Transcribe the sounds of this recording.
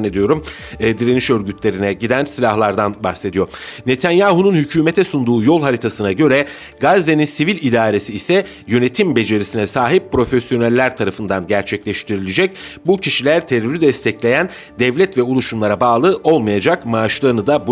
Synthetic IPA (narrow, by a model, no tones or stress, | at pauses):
ned̪ijo̞ɾumː | d̪iɾeniʃø̞ɾɟyt̪ʰlʲe̞ɾinɛɟid̪ænsilʲahlˠaɾd̪anbaxse̞d̪ijo̞ɾne̞t̪ʰænjaːhununhycʰyːme̞t̪ʰɛsund̪uːjo̞lˠhaɾit̪ʰasɯnaɟø̞ɾɛ | ɡazːeninsivilʲid̪aːɾe̞siːsɛ | jø̞ne̞t̪ʰimbe̞d͡ʒe̞ɾisinɛsaːɦip̚pːɾo̞fesjo̞nalʲːæɾt̪ʰaɾafɯnd̪anɟæɾt͡ʃʰɛclʲɛʃt̪ʰiɾilʲed͡ʒɛc̚bucʰiʃilʲæɾt̪ʰe̞ɾyɾyd̪ɛst̪ʰɛclʲe̞jæn | d̪ɛvlʲɛt̪vɛulˠuʃumlˠaɾabaːlˠɯʔo̞lˠmajad͡ʒakmaːʃlˠaɾɯnɯd̪abu